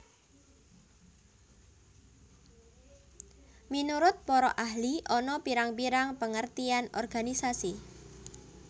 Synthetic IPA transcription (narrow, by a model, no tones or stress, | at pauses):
minuɾʊt̪̚pɔɾɔʔaɦliʔɔnɔpiɾaŋpiɾaŋpəŋərt̪ianɔ̰rɡ̥anisasi